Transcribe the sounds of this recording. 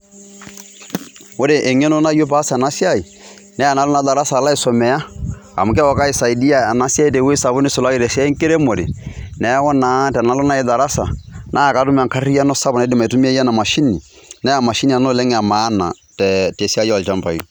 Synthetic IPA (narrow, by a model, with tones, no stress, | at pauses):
o˦ɾe˨ʔe˨ŋɛ˦no˦na˦jo˦pa˦sna˦sja˦i˨ | nɛ˦a˨na˨lʊ˦na˦ða˨ɾa˦saː˨la˦ɪ˦sɔ˨mɛ˨ja˦a̰˨mʊ˨kɛ˦wɔ˨ka˦i˨sa˨i˨di˦a˦˨a˨na˦sja˦i˦te˨we˦sa˨βo˦nɪ˦so˨la˦i˦ɾɛ˨sɛ˦ŋke˦ɾe˦mo˨ɾḛ˨nɛ˨˦wɔ˦na˨˦tɛ˨na˨˦lɔ˦na˦ɪ˦ða˨ɾa˦sa˨nʔa˦˨ka˨˦tʊ˦m˨a˨ŋka˦ra˦nɔ˦sa˦bɔ˨nɛ˦dɪ˨ma˨i˨tu˦m˦a˦ja˦na˨ma˨ʃi˦ni˨ | nɛ˦a˨ma˨ʃi˦ni˨a˨no˦lɛ˦ŋ˨a˨maː˨˦na̰˨ | tɛ˨te˨˦si˦a˦jɔ˦˨lt͡ʃa˦mpa̰˨i˦